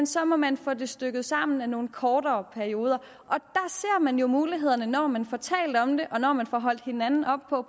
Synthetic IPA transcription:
nsɒ̽mɒ̽mænfod̥e̝sd̥øɡ̥ð̞̩ˠsɑ̈m̰n̩æno̝ːn̩kʰɒːɾɐːpʰæɐio̝ːðˠɐ | ʔɒ̽d̥æ̈se̝ɐ̰mænjo̝muːliɦe̝ð̞̰ˠɐnənɒ̰ːmænfɒt͡sʰɛ̰ːld̥ɒ̽md̥e̝ʔɒ̽nɒ̰mænfɒ̽ɦɒ̽l̰d̥he̝nænn̩ɒ̽b̥̚pʰɒ̽

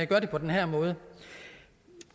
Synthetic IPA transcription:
æɡ̥ɶːɐde̝̥pʰɒ̽d̥enɦæɐ̰mɔ̽ːð̞ˠə

